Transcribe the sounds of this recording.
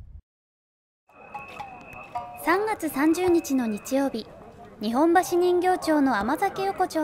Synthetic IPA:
sãŋɡat͡sɨsãɲ̟d͡ʑɨːɲ̟it͡ɕino̞ɲ̟it͡ɕijo̞ːbʲiɲ̟iɦõ̞mbaɕiɲ̟ĩŋɡʲo̞ːt͡ɕo̞ːno̞amazakejo̞ko̞t͡ɕoː

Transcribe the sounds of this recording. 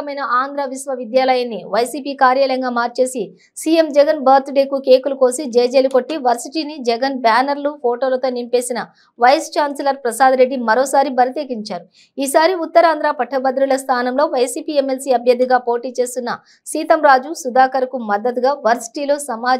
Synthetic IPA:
ɐmɐjnɐʔaːnd̪ɾaʋisʋɐʋid̪jaːlɐjɐnːiʋɐjsiːpiːkaːɾjaːlɐŋɡaːmaːɾt͡ʃe̞ːsi | siːe̞md͡ʒɛɡɐnbɐːɾt̪ɖeːkuke̞ːkuluko̞ːsid͡ʒeːjd͡ʒeːluko̞ʈːiʋɐɾsiʈiːnid͡ʒɛɡɐnbaːnɐɾlupʰoːʈo̞ːlɐt̪o̞ːnimpe̞ːsinɐ | ʋɐjst͡ʃaːnselɐɾpɾɐsaːd̪ɾe̞ɖːimɐɾo̞ːsaːɾibɐɾɐt̪eːkiɲt͡ʃaːɾu | iːsaːɾiut̪ːɐɾaːnd̪ɾaːpɐʈʰːɐbɐd̪ɾuɭɐst̪ʰaːnɐmlo̞ːʋɐjsiːpiːemːelsiːɐbʱjɐd̪ːiɡaːpo̞ːʈiːt͡ʃe̞ːst̪unːɐ | siːt̪ɐmɾaːd͡ʒusud̪aːkɐɾɐkumɐd̪ːɐt̪ɡaːʋɐɾsi̥ʈiːlo̞ːsɐmaː

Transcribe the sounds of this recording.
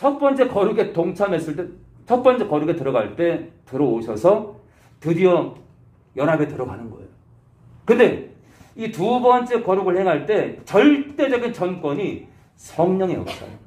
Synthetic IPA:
t͡ɕʰʌt̚p͈ʌnt͡ɕ͈e̞kʌɾuɡe̞toŋt͡ɕʰamɦe̞s͈ɯɭt͈e̞ | t͡ɕʰʌt̚p͈ʌnt͡ɕ͈e̞kʌɾuɡetɯɾʌɡaɭt͈e̞tɯɾʌoɕʰʌsʰʌ | tɯdiʌ | jʌnɦabe̞tɯɾʌɡanɯnɡʌ̰ḛjo | kɯnde̞ | itubʌnt͡ɕ͈e̞kʌɾuɡɯɭhe̞ŋɦaɭt͈e̞t͡ɕʌɭt͈e̞d͡ʑʌɡint͡ɕʌnk͈wʌɲi | sʰʌŋɲʌŋeʌp̚s͈ʌ̰jo

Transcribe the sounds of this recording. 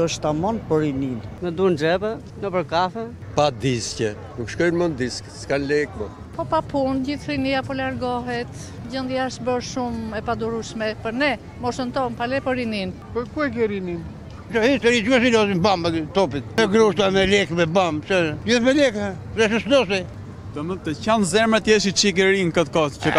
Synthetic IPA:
ɔʃt̪amɔnpɔɾininmɛd̪und͡ʒɛbə | nəpəɾkaθɛ | pad̪iscɛ | nukʃkɔjnmɔnd̪iskskanlɛkmɔn | pɔpapund͡ʑiθɾinijapɔlaɾɡɔɦɛt̪ | d͡ʑənd̪jaʃbəɾʃumɛpad̪uɾuʃmɛpəɾnɛ | mɔsənt̪ɔmpalɛpɔɾinin | pɔɾkuɛɡɛɾinin | t͡ʃɔhist̪ɛɾit͡ʃkɔsilɔzimbamt̪ɔpit̪̚mɛɡɾuʃt̪amɛlɛkmɛbamt͡ʃɛd͡ʒiθmɛlɛkɾɛʃ̬əslɔs̬i | t̪ɔmət̪ɛcanzɛɾmɛt̪jɛs̬it͡ʃiɡɛɾinkət̪kɔst͡ʃə

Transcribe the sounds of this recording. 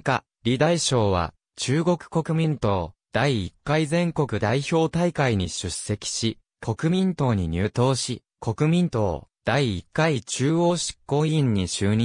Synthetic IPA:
ka̰ | ɾʲid̪aiɕo̞ːβ̞a̰ | t͡ɕɨːɡo̞kɯ̟̥ko̞kɯ̟mʲĩnt̪o̞ːd̪̥aiːkːaizẽ̞ŋko̞kɯ̟d̪aiço̞ːt̪aikaiɲ̟iɕɨsːe̞kʲi̥ɕi | kʰo̞kɯ̟mʲĩnt̪o̞ːɲ̟iɲ̟ɨːt̪o̞ːɕi | kʰo̞kɯ̟mʲĩnt̪o̞̰ːd̪̥aiːkːait͡ɕɨːo̞ːɕi̥kːo̞ːĩɲ̟ːiɕɨːɲ̟

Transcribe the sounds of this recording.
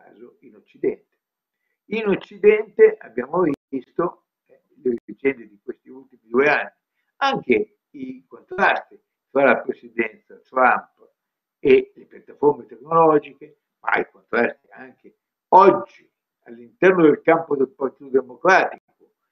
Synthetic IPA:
ka̰ːzoinot͡ʃːid̪ɛnt̪e̥ | inot͡ʃːid̪ɛnt̪eʔa̰bːjaːmovist̪o | ɛmilezid͡ʒɛnt̪id̪ikwest̪iult̪imid̪ueanːi | aŋk̟e | ikont̪ɾast̪i | t̪ɾalapɾesid̪ɛnt̪sat̪ɾamp | elepjat̪ːaformet̪eknolɔd͡ʒik̟e | ma̰ikont̪ɾast̪iaŋk̟e | ɔd͡ʒːi | alːint̪ɛrnod̪elkampod̪elpart̪it̪od̪emokɾaːt̪iko

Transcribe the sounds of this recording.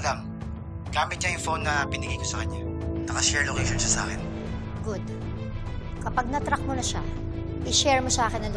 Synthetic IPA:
lam | ɡ̥aːmɪt̪̚ɲajʊŋfownːɐpɪnɪɡɐjkosɐkɐɲːanɐkɐʃɛɹlokḛjʃonʃɐsa̰ːkɛn | ɡʊd̪ | kɐpaɡ̚nɐt̪ɾak̚monɐʃa | ʔɪʃɛɹmosɐʔaːkɪnːɐlʊ

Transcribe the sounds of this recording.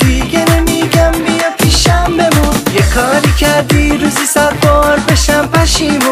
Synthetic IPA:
d̪iɡenemiɡamːijepʰiʃambemujekʰɑːɾikʰaɾd̪iɾuzisat̪̚bɔːɾbeʃampʰaʃimu

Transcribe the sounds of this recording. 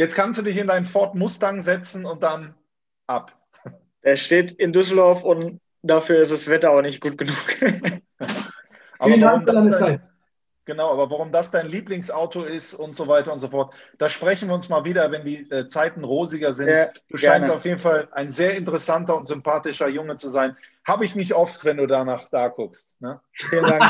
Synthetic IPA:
jɛt͡skʰanstd̥uːdɪçɪndaɪnənfɔɐtmʊstaŋzɛt͡sn̩ʊnt̚d̥an | ʔap | d̥eːɐʃteːtɪndʏs̬l̩dɔɐfʊnt | d̥afyːɐɪstd̥asv̥ɛtɐaʊxnɪçt̚ɡ̥uːt̚ɡ̥ənuːk | ʔa̰ːɐvaʁʊmdaaa | ɡ̥ənaʊʔaːbɐavaʁʊmdasd̥aɪnliːplɪŋsʔaʊtʰoɪstʔʊntz̥ovaɪtɐʊntz̥ofɔɐt | d̥aːʃpʁ̥ɛçn̩viːɐʊnsmaːlviːɾɐvɛndiːʔɛːt͡saɪtn̩ʁoːzɪɡɐzɪnad̥uːʃɡaɪntaʊfjeːdn̩falʔaɪnzeːɐɪntəʁɛsantɐʊntz̥ʏmpaːtɪʃɐjʊŋət͡suzaɪnhaːbəɪçnɪçtʔɔftvɛnduːdaːnaːχd̥aːkʰʊkstnəfiləndaŋk

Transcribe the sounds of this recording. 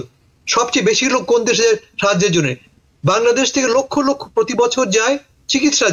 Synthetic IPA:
ʃɔbt͡ɕejbeʃiɾoɡ̚kond̪eʃaaʃad͡ʑeɾd͡ʑonːe | baŋlad̪eʃt̪ʰekelokʰːolokʰːopɾot̪ibɔt͡ɕʰoɾd͡ʑae | t͡ɕikit̪ːʃa

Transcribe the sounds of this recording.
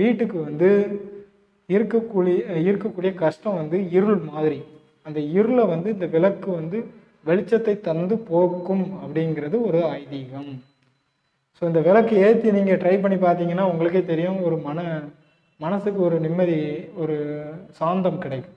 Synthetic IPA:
ʋiːʈːɯkːɯʋɐnd̪ɯ | ɪɾɯkːɐkːuːjɪɾɯkːɐkːuːɽɪjɐkɐʂʈɐ̃ʋɐnd̪ɯɪɾɯɭmaːðɪɾi | ɐnd̪ɐɪɾɯɭɐʋɐnd̪ɯɪnd̪ɐʋɪlɐkːɯʋɐnd̪ɯ | ʋɛɭɪt͡ʃːɐt̪ːɐɪt̪ːɐɾnd̪ɯpoːkːɯmɐpːɐɽɪnɡɪɾɐðɯɔɾɯaːjðiːɣɐm | soːɪnd̪ɐʋɪlɐkːɯeːɾt̪ːiniːŋɡɐʈɾɐɪpɐɳːip̬aːɾt̪̬iːŋɡɐnːaːʊŋɡɐɭɯkːeːt̪ɛɾɪjʊ̃ɔɾɯmɐnɐ | mɐnɐsɯkːɯɔɾɯnɪmːɐðiɔɾɯsaːnd̪ɐmkɪɽɐɪkːɯ

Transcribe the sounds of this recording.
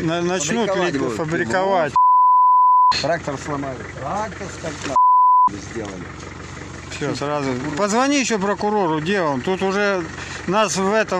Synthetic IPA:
nɐnɐt͡ɕnuɾfəbɾʲɪkɐvatʲ | t̪ɾak̚t̪ərslˠɐmajʊt̪ɾakt̪əskɐnaɪzʲdʲelˠə̰lʲɪ | fsʲosrazʊpəzvɐnʲiɪɕːop̬ɾəkʊɾo̞ɾʊdʲe̞lˠəmt̪ut̪ʊʐɛ | nasvɛt̪ə

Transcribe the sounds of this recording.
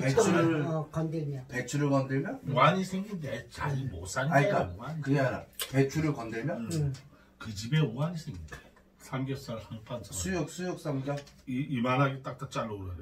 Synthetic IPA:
pet͡ɕʰuɾkʌndemopet͡ɕʰuɾɯɭkʌndeɭmjʌwaɲisʰeŋɡindet͡ɕa̰ɾimos͈ʰaɲaɲik͈aoaɲkɯɡeaɾa̰pe̞t͡ɕʰuɾɯɭkʌndemjʌ | kɯd͡ʑibeoaɲisʰeŋɡinde | sʰamɡjʌs͈asʰampʰansasʰujʌk̚s͈ʰujʌk̚s͈amɡjʌiːmanaɡet͈ak̚t͈at͡ɕ͈aɭːouɾaɾ

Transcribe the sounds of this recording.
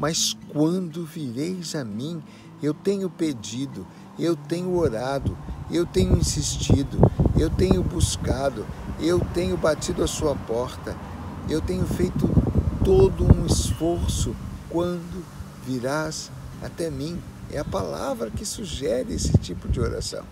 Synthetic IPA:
mɐskwɐ̃nd̪ʊviɾejzɐmĩ | ewt̪ẽɲʊped͡ʒid̪ʊ | ewt̪ẽɲʊoɾad̪ʊewt̪ẽɲʊĩsist͡ʃid̪ʊewt̪ẽɲʊbuskad̪ʊewt̪ẽɲʊbat͡ʃid̪ʊɐsuɐpɔɾt̪ɐ | ewt̪ẽɲʊfejt̪ʊt̪od̪ʊũisfoɾsʊkwɐ̃nd̪ʊ | viɾaz | a̰t̪ɛmĩ | ɛ̰ɐpala̰vɾɐkɪsuʒɛɾɪesɪt͡ʃipʊd͡ʒɪoɾa̰sɐ̰̃w̃

